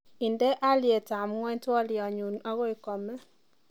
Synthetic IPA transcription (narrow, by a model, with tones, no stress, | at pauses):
i˨ndɛ˦ʔa˦lje˨ta˨mŋwɛ˦twɔ˦ljɔ˨ɲu˨na˦ɣɔ˦i˨kɔ˨mɛ˦